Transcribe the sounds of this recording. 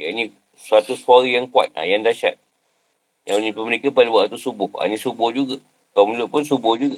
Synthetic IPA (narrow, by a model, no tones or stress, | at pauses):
jainĩ | suat̪usuaɾajaŋkwa̰t̪̚la̰jaŋdaʃa̰t̪̚ | jaŋnĩpəməɾikapalubaʔat̪usubʊha̰nĩsubʊhd͡ʒuɡa | kamulʊʔpʊnsubʊhd͡ʒuɡa